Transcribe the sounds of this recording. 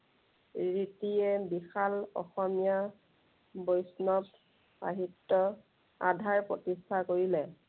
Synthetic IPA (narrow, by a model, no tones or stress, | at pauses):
ɹitiɛbixalɔ̰xɔmija | bojsnɔt | a̰ɦitːɔ | a̰dʱaɹpɹotistʰakoɹilɛ